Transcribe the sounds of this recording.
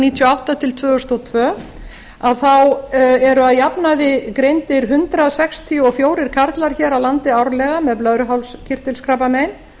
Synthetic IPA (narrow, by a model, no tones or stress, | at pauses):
niːt̪ʰjɔawht̪at̪ʰɪlt̪ʰvœːɣʏst̪ɔt̪ʰvœː | aðθawɛɾʏaðjapnaðɪkɾejnt̪ɪɾɦʏnt̪ɾaðsɛkst̪ʰiuɔfjoːwɾɪɾ̥kʰaɾt̪laɾ̥çɛːɾawlant̪ɪawɾlɛɣamɛðplœðɾʏɦawlscʰɪr̥t̪ɪlskɾapamejn